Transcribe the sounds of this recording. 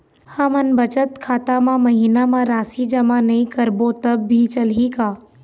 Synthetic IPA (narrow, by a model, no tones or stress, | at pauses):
həmənbət͡ʃət̪kʰaːt̪amãmɐɦiːnamãɾaːsid͡ʒɐmanɐĩkəɾbot̪ɐbːʱit͡ʃɐlikaː